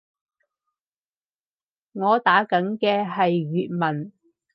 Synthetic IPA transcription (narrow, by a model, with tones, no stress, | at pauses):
ŋɔː˨˧t̪aː˨˥kɐ˨˥nkɛː˧ɦɐ˨jɥyː˨t̚mɐ˨˩n